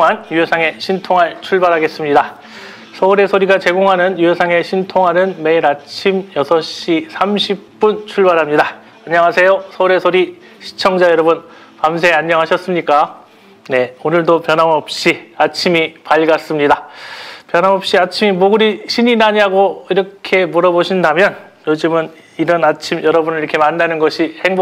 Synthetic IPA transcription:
ŋanjuɦesʰaŋe̞ɕʰintʰoŋɦaɭt͡ɕʰuɭbaɾɦaɡe̞s͈ɯmɲida | sʰʌuɾe̞sʰoɾiɡat͡ɕe̞ɡoŋɦanɯnjujesʰaŋe̞ɕʰintʰoŋɦanɯnme̞iɾat͡ɕʰimjʌsʰʌɕ͈isʰamɕʰip̚p͈unt͡ɕʰuɭbaɾɦamɲida | aɲːʌŋɦasʰe̞josʰʌuɾe̞sʰoɾi | ɕʰi̥t͡ɕʰʌŋd͡ʑajʌɾʌbɯn | pamsʰeaɲːʌŋɦaɕʰʌs͈ɯmɲik͈a | ne̞onɯɭdopjʌnɦamʌp̚ɕ͈iat͡ɕʰimipaʎɡas͈ɯmɲidapjʌnɦamʌp̚ɕ͈iat͡ɕʰimimoɡɯɾiɕʰiɲinaɲiɦaɡoiɾʌkʰe̞muɾʌboɕʰindamjʌn | jod͡ʑɯmɯn | iɾʌnat͡ɕʰimjʌɾʌbunɯɭiɾʌkʰe̞manːanɯnɡʌɕʰiheŋb

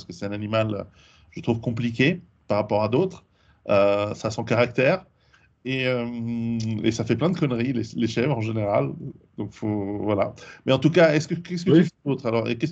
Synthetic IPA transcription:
səkəsɛ̥t̪ɛ̃nanimalø̰ | ʒ̥ət̪χuvkɔ̃plik̬ʲe | paʁapɔʁad̪ot̪χ | øsasɑ̃kaʁak̚t̪ɛːʁ | eømḛsafɛplɛ̃d̪əkɔnʁileleʃɛvʁɑ̃ʒeneʁald̪ɔ̃kfovwalamɛɑ̃t̪ukaɛskəkɛskət̪yfɛd̪ot̪χalɔʁḛkɛs

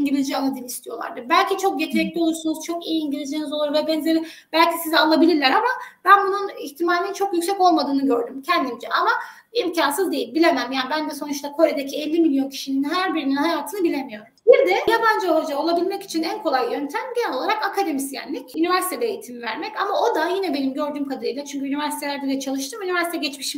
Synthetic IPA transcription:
iɲɟilʲizd͡ʒialːˠad̪ɯːnist̪ʰijo̞lˠa̰ɾd̪ɯbælʲcit͡ʃʰo̞k̚jet̪ʰɾɛclʲio̞lˠuɾsunuz̥t͡ʃʰo̞kijiiɲɟilʲizd͡ʒinizo̞lˠuɾvɛbɛnzʲeɾib̥ælʲcʰisizɛalˠabilʲiɾlʲæɾamab̥ænbununiçt̪ʰimaːlʲinint͡ʃʰo̞kjycʲsɛko̞lˠmad̪ɯːnɯɟø̞ɾd̪ymcʰɛnd̪imd͡ʒɛʔama | imcʰansɯzd̪e̞jilʲbilʲe̞mæmjaːbænd̪ɛso̞nut͡ʃt̪akʰo̞ɾed̪ecʰiɛlʲːimilʲjo̞ncʰi̥ʃininɦæɾbiɾininhɦajaːt̪ʰɯnɯbilʲe̞mijo̞ɾ | biɾd̪ɛjaband͡ʒɯolˠad͡ʒao̞lˠabilʲmɛci̥t͡ʃʰinænkʰo̞lˠajjø̞nt̪ʰæmɟinɛlʲo̞lˠaɾakakʰad̪e̞misjæ̰nlʲɛcynivæɾsit̪ʰɛd̪ɛejit̪ʰimivæ̰ɾmɛcamao̞d̪ajinɛbe̞nimɟø̞ɾd̪yːmkʰad̪aɾɯjlˠat͡ʃʰyɲcʰyynivæɾsi̥t̪ʰeæɾd̪ɛd̪ɛt͡ʃʰalˠɯʃ̬t̪ɯːmynivæɾsit̪ɛɟɛt͡ʃmiʃim

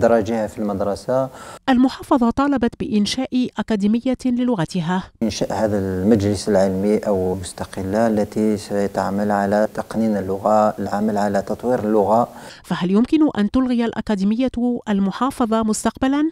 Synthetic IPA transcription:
d̪ɾˤɑd͡ʒihafilməd̪ɾˤɑsaʔælmʊħɑːfɑðˤɑt̪ˤɑːlɑbɑt̪bɪʔɪnʃaːʔʔakæd̪imɪjːalɪlʊɣat̪ɪɦaːʔɪnʃæʔhæd̪əlmæd͡ʒləsəlʕəlmiʔəwlmʊst̪ɑqəlːalːæt̪isæt̪aʕməlʕalæt̪ɑqninəlːʊɣalʕaməlʕalæt̪ɑt̪ˤwiɾəlːʊɣaʔfæɦæljʊmkɪnʊʔænt̪ʊlɣɪjalʔa̰kæd̪imɪjːaʔalmʊħɑːfɑðˤɑmʊst̪ɑq̚balan

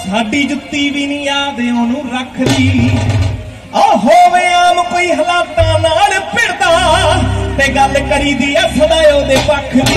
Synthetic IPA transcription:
saːɖiːd͡ʒʊt̪ːiːbiːnĩːaːd̪eːõːnũːɾəkʰd̪iː | oːɦoːʋeːaːmkoːiːɦəlaːt̪̚naːnaːlepʰɪɽt̪aː | t̪eːɡəlkəɾiːd̪iːɛːbənaːjoːd̪eːpəkʰd̪i

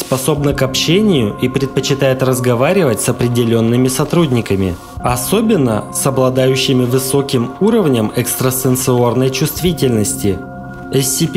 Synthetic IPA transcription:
spɐso̞bnəkɐpɕenʲɪjʊʔipɾʲɪt̪̚pət͡ɕɪt̪ajɪt̪rəzɡɐvaɾʲɪvətʲsɐpɾʲɪdʲɪlʲo̞nːɨmʲɪsɐt̪ɾudʲnʲɪkəmʲɪ̰ | ɐso̞bʲɪnːə̰sɐblˠɐd̪ajʉɕːɪmʲɪvɨso̞kʲɪmuɾəvnʲəmɛkst̪ɾəst̪ənt̪sɨo̞rnəjt͡ɕʊst̪vʲitʲɪlʲnəsʲtʲɪ | ɛsʲɪpʲ

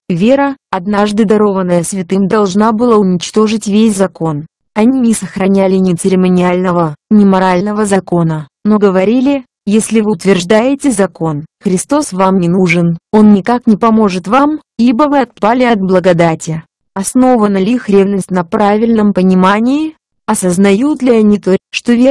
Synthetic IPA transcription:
vʲeɾəɐd̪naʐd̪ɨd̪ɐɾo̞vənːəjəsvʲɪt̪ɨmd̪ɐlˠʐnabɨlˠaʊnʲɪt͡ɕt̪o̞ʐɨtʲvʲesʲzɐko̞n | ɐnʲinʲɪsəxɾɐnʲælʲɪnʲɪt̪sɨɾʲɪmənʲɪalʲnəvənʲɪmɐɾalʲnəvəzɐko̞nəno̞ɡəvɐɾʲilʲɪ | jesʲlʲɪvɨʊt̪vʲɪrʐd̪ajɪtʲɪzɐko̞nxɾʲɪst̪o̞svamnʲɪnuʐɨno̞nnʲɪkaknʲɪpɐmo̞ʐɨt̪vamibəvɨɐt̪̚palʲɪɐd̪̚blˠəɡɐd̪atʲɪ | ɐsno̞vənəlʲixɾʲevnəsʲtʲnɐpɾavʲɪlʲnəmpənʲɪmanʲɪɪ | ɐsəznɐjut̪lʲɪɐnʲit̪oʂt̪o̞vʲe

